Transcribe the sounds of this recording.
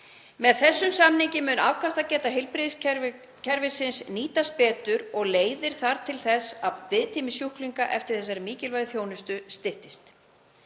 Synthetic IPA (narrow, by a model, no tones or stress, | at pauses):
mɛðθɛsːʏmsamniɲcɪmʏːna̰wkʰast̪acɛːt̪aɦɪlpɾɪð | cʰɛɾvɪsɪnsniːt̪aspɛːt̪ʏɾɔɣleːjðɪɾ̥θaɾ̥t̪ʰɪlθɛsavɪðt̪ʰiːmɪsjuhkliŋkaʔɛft̪ɪɾ̥θɛs̬ːaɾɪmiːcɪlvajðθjoːwnɪst̪ʏst̪ɪht̪ɪst̪